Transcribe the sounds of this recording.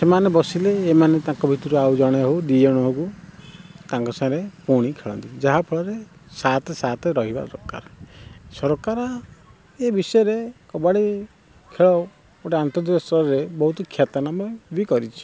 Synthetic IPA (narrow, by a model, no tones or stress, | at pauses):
semanebɔsileːmanet̪ãŋkɔbʱit̪uɾuawd͡ʒɔɽ̃ɔɦod̪iɔɽ̃ɔɦoku | t̪ãŋkɔsãɾepuɽ̃ikʰeɭɔ̰nt̪id͡ʒaɦapʰɔɭɔɾesat̪sat̪ɾɔɦiba̰ɾɔ̰kːa̰ɾɔsɔɾɔkaɾɔ | ebisɔjɔɾekɔbaɽi | kʰeɭɔ | oʈeant̪ɔd̪ɾsɔɾebɔɦut̪ɔkʰjat̪anamɔbikɔɾit͡ʃʰi̥